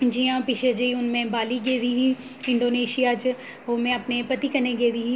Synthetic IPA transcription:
d͡ʒiãːpɪʃed͡ʒeiʊnmẽbaːliɡeːd̪iɦĩː | ɪ̃ɳɖoːneːʃijaːd͡ʒ | ɦoːmẽɐpnepɐt̪ikɐnẽɡeːd̪iːɦĩː

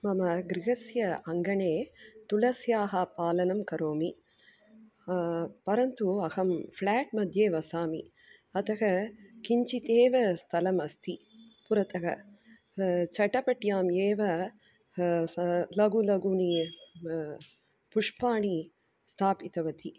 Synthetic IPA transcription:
mɐmɐɡɾiɡɐsjɐɐŋɡɐɳeːt̪ulɐsjaːɦɐpaːlɐnɐmkɐɾoːmi | pɐɾɐnt̪uɐhɐmflaːʈ̚mɐd̪ʱjeːʋɐsaːmḭ | ɐt̪ʰɐɦɐkiɲt͡ʃit̪eːʋɐst̪ʰɐlɐmɐst̪ʰi | puɾɐt̪ɐɦɐ̰ | t͡ʃɐʈɐpɐʈjaːmeːʋɐ | lɐɡulɐɡuni | puʂpaːɳi | st̪ʰaːpit̪ɐʋɐt̪i

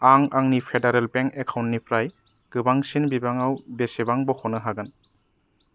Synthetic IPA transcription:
aŋaŋnipʰedaɾelbeŋkekʰawntnipʰɾaj | ɡ̥ɯbaŋsinbibaŋawbesebaŋbɔhɔnɯɦaɡɯn

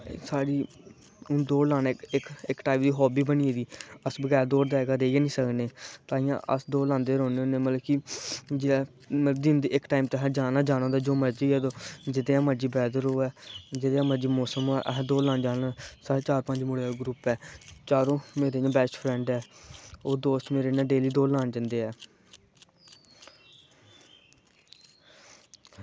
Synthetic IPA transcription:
saːɾiː | ʊ̃nd̪oːlãːnɛːɪkɪkʈaːɪmd̪iːɦɔːbiːbəniːɛːd̪iːəsbəɡɛːɾd̪oːɾd̪aːɛːɡaːɾeːɡaːnĩːsəkneːt̪ãːɪ̃jã̰ːʔə̰sd̪oːlãːnd̪eːɾõːneoːneːmət̪ləbkid͡ʒɪː | mət̪ləbd̪ɪːnd̪iːɪkʈaːimt̪ːɦɛ̃ːd͡ʒaːnaːd͡ʒaːnãːd̪aːd͡ʒoːməɾd͡ʒiːɛːd̪oːd͡ʒɪd̪eːãːməd͡ʒiːbɛːd̪əɾoːɛːd͡ʒɪd̪eːãːməd͡ʒiːmɔːsəmoːɛ̰ːʔɛɦːd̪oːlãːnd͡ʒaːnãsət͡ʃaːɾpəɲd͡ʒmʊɽeːɡɾuːpɛːt͡ʃaːɾõːmeːɾeːnãːbɛːsʈpʰɾɛ̃ːɳɖɛːoːd̪oːst̪meːɾeːnãːɖeːliːd̪oːlãːnd͡ʒənd̪eːɛː

